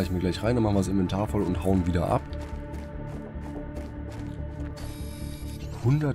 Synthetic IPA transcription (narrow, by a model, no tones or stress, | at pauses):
ɪçmiːɐɡlaɪçʁaɪndanmaχn̩viɪsɪnvɛntʰaːɐfɔlʊnthaʊənviːdɐ̰ʔa̰p | hʊndɐ